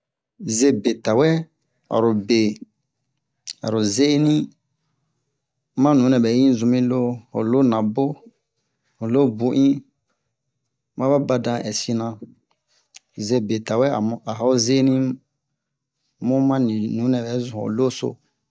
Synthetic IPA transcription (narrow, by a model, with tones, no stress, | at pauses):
ze˦be˨ta˨wɛ˦ | a̰˨ɾo˨be˨ | a̰˨ɾu˨ze˦nĩ˦ | mã˦nũ˨˦nɛ̃˨bɛ˨˦jĩ˦zũ˧mĩ˦lo˦ho̰˨lo˦nã˨bo˦ | ho˨lo˦bu˦ʔĩ˦ | mã˦ba˦ba˦dã˦˧ʔɛ˨si˦nã˧ | ze˦be˨ta˨wɛ˦˨a˨a˨˦o˦ze˦nĩ˦ | mũ˦mã˦nĩ˨nũ˨˦nɛ̃˨bɛ˨˦zũ˨o̰˨lo˦so̰˦